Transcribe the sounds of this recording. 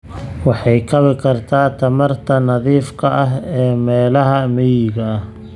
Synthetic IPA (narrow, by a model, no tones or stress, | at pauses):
wɑħɑjkʰɐβɪkʰɐrt̪ʰaːt̪ʰɐmɐrt̪ʰɐnɐðiːfkʰɐʔɐɦɛːmɛːlɐɦɐmɛjɪɣɐɐh